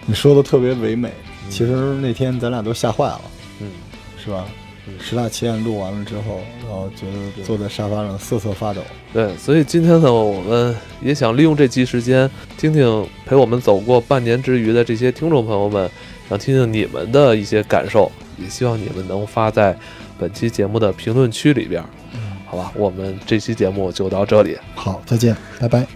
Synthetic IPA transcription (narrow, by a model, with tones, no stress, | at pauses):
ni˨˩ʂwɔ˥d̪ə˨t̪ʰɤ˥˩pjɛ˧˥we˧˥ɪme˨˩˦ɪ | t͡ɕʰi˧˥ʂɻ̩˧˥ne˥˩ɪt̪ʰjɛ˥nt͡sa˧˥na˨˩t̪o˥ʊɕja˥˧xwa˥˩ɪlə̰˦ | n̩˥˩ | ʂɻ̩˥˩ba˨˩ | ʂɻ̩˧˥t̪a˥˩t͡ɕʰɛ˥˧nlu˥˩wa˧˥nlə˧ʈ͡ʂɻ̩˥xo˥˩ʊɻa˧˥nxo˥˩ʊt͡ɕɥɛ˧˥d̪ə˧t͡swɔ˥˧t͡sa˥˩ɪʂa˥fa˥ɻɤ˧˩ŋs̩˥˧t͡sʰɤ˥˩fa˥t̪o̰˨˩˦t̪we˥˩ɪswɔ˧˥i˨˩t͡ɕi˥nt̪ʰjɛ˥nə˨wɔ˨˩mə˦n | jɛ˧˥ɕjɑ˨˩ŋli˥˧jʊ˥˧ŋʈ͡ʂɤ˥˩t͡ɕʰi˥ʂɻ̩˧˥t͡ɕjɛ˥n | t̪ʰi˥ŋt̪ʰi˥˩ŋpʰe˧˥ɪwɔ˨˩mə˦nt͡so˨˩ʊkwɔ˥˧pa˥˩nnjɛ˧˥nʈ͡ʂɻ̩˥y˧˥d̪ə˧ʈ͡ʂɤ˥˩ɕ̬jɛ˥t̪ʰi˥ŋʈ͡ʂʊ˥˩ŋpʰɤ˧˥ŋjo˧ʊmə˩n | ɕjɑ˨˩ŋt̪ʰi˥ŋt̪ʰi˥˩ŋni˨˩mʔə̰˦nd̪ə˧i˥˩ɕjɛ˥ka̰˨˩nʂo˥˩ʊ | jɛ˨˩ɕi˥wɑ˥˩ŋnḭ˨˩mə˦nnɤ˧˥ŋfa˥t͡sa˥˩ɪ | pə˨˩nt͡ɕʰi˥t͡ɕjɛ˧˥mu˥˩d̪ə˩pʰi˧˥ŋlwə˥˩nt͡ɕʰy˥lḭ˨˩pjɛ̰˧˥ | xɑ˧˥ʊba˧wʔɔ˨˩mə˦nʈ͡ʂɤ˥˩t͡ɕʰi˥t͡ɕjɛ˧˥mu˥˧t͡ɕjo˥˧ʊt̪ɑ˥˧ʊʈ͡ʂɤ˥˩lḭ˨˩˦xɑ˨˩˦ʊt͡sa˥˧ɪt͡ɕjɛ˥˩npa˧˩ɪpa˧˥ɪ